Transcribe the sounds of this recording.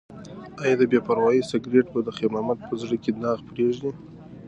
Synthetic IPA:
ɑjɑd̪əbepaɾwɑjisaɡɾeʈbad̪əxemɑmat̪̚pʰəzɽəkenɑɣpɾeʒni

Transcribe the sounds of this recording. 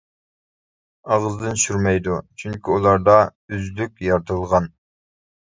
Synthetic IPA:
ɑʁəzd̪ɨnʃyɾmɛjd̪ut͡ʃʰyŋkʲiulˠɑɾd̪ɑyzlykʲjɑɾt̪ʰɨlˠʁɑn

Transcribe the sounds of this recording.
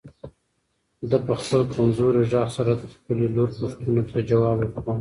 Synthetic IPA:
d̪apəxpəlkanzoɾeʒɑxsaɾad̪əxpəleloɾpoʂt̪unot̪ʰad͡ʒawɑbepan

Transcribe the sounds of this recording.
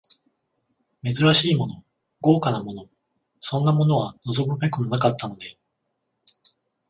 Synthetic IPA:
me̞zɨɾaɕiːmo̞no̞ | ɡo̞ːkanamo̞no̞ | sõ̞nːamo̞no̞βano̞zo̞mɯ̟be̞kɯ̟nonakat̪ːano̞d̪e̞

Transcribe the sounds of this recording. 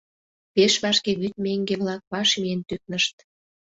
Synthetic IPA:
peʃβɑʃkeβyt̪̚meŋɡeβlɑk̚βɑʃmient̪yk̚nəʃt̪

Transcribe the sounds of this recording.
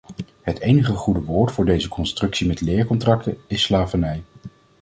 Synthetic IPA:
ɦətejnəχəχudəʋoːɹtfʊːɹdejzəkɔnstrɵksimɛtlɪːɹkɔntrɑk̚təɪsːlaːvənɛj

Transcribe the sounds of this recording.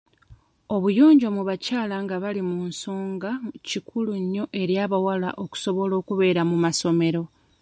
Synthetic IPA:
o̞βujo̞ːɲɟo̞muβacaːlaŋɡaβalimunso̞ːŋɡacikʰuluɲːo̞ʔe̞ɾjaːβawala̰ʔo̞ku̥so̞βo̞lo̞ːkuβe̞ːɾamumaso̞me̞ɾo̞

